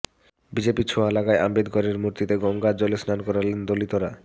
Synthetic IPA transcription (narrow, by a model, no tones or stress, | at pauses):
bid͡ʑepit͡ɕʰoalakaeambed̪kɔɾeɾmuɾt̪it̪eɡɔŋɡad͡ʑɔlesnankɔɾalend̪olit̪oɾa